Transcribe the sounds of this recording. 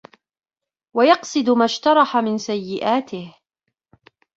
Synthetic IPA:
wajɑqsˤɨd̪maʃt̪ɑɾˤɑħamɪnsajːɪʔaːt̪ɪh

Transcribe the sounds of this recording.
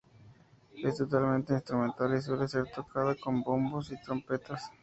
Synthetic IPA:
est̪o̞t̪almẽnt̪einst̪ɾumẽnt̪alis̬we̞lese̞ɾt̪okʰaðako̞mbombosit̪ɾo̞mpe̞t̪as

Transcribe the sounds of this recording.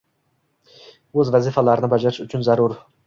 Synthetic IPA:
ɵzvazɪfalaɾɪnɪbad͡ʒaɾɪʃʊt͡ʃʰʊnzaɾʊɾ

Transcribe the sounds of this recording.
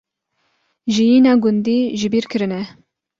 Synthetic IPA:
ʒijiːnɑːɡʊnd̪iːʒɪbiːɾkʰɨɾɨnɛ

